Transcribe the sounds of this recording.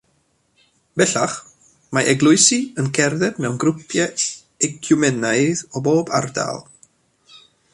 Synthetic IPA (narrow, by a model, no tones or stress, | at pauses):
b̥ɛɬaχ | maʔɛɡlˠʊɨsiənkʰɛrðɛdmɛwnɡɾʊpʰjɛ | ɛkʰjʊmɛnajðɔboːba̰rda̰lˠ